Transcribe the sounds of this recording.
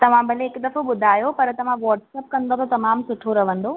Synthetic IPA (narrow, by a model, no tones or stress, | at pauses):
t̪ɐʋ̤ãbʱɐleːkd̪ɐfoɓʊd̪ʱaːjopɐɾt̪ɐʋ̤ãʋɔːʈsɛːp̚kɐ̃nd̪ot̪ɐt̪ɐmaːmsʊʈʰoɾɐʋə̃nd̪oː